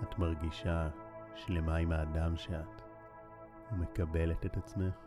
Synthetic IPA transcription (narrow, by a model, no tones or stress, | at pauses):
atmaʁɡiʃaʃle̞maimaːdamʃeat | ume̞kabe̞le̞tetat͡smeχ